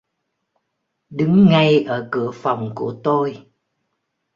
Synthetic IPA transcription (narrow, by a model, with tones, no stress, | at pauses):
ɗɨ˨˦ŋːa˧jʔəː˧˩kɨ˧˩əfa˨˩wŋ͡mku˧˩ət̪o˧j